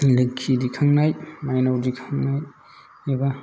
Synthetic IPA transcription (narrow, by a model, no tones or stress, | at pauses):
lɯkʰːidikʰaŋnajmajnawdikʰaŋnaj | eba